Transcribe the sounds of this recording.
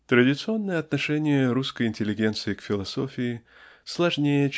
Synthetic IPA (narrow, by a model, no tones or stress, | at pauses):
t̪ɾədʲɪt̪sɨo̞nːəjəɐt̪nɐʂɛnʲɪjəɾuskəjɪnʲtʲɪlʲɪɡʲe̞nt̪sɨɪkfʲɪlˠɐso̞fʲɪɪslˠɐʐnʲejə